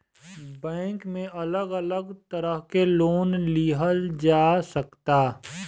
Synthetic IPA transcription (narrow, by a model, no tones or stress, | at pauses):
bɛ̃ːŋkmẽʔɐləɡələɡt̪əɾəɦkeloːnliɦəld͡ʒaːsəkt̪aː